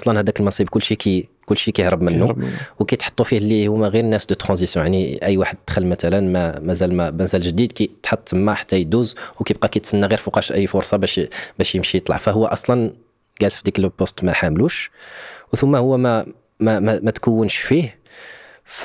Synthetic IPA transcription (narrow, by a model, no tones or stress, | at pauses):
sˤlɑnhæd̪ækəlmɑsˤibkʊlːʃikikʊlːʃikæjəhɾəbmənːuwkæjt̪ħɑ̥t̪ˤːufihlːihumæɣiɾnːæsd̪ət̪ːɾɑ̃zisjɔ̃jaʕniʔəjːwaħəd̪̚t̪xəlmæt̪ælənmæmæzælmæmænzælʒd̪id̪kæt̪ħɑt̪ˤːəmːæħḁt̪ːæjd̪uzwkæjb̚qɑkæt̪sənːæɣiɾfuqɑʃʔəjːfʊɾsˤɑbæʃbæʃjəmʃijət̪ˤlɑ̰ʕfæhʊwːæʔɑsˤlɑn | ɡælt̪fid̪ikəlbost̪mæħamluʃ | wθʊmːæhʊwːæmæ | mæmæmæt̪kəwːənʃfih